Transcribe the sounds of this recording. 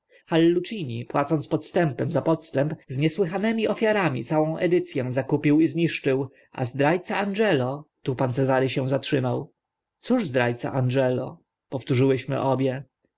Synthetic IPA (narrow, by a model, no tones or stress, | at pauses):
xalːut͡ʂiɲipwat̪sɔnt̪pɔt̪st̪ɛmpɛmzapɔt̪st̪ɛmpzɲɛswɘxanɛmʲiʔɔfʲjaɾamʲḭt̪sawɔ̃w̃ʔɛd̪ɘt̪sʲjɛ̃zakupʲiwizɲiʂt͡ʂɘw | ʔa̰zd̪ɾajt̪saanʐɛlɔt̪upant̪sɛzaɾɘɕɛw̃zatʂɘmaw | t̪suʐzd̪ɾajt̪sa̰ʔanʐɛlɔ | pɔft̪uʐɘwɘɕmɘ̰ʔɔbʲjɛ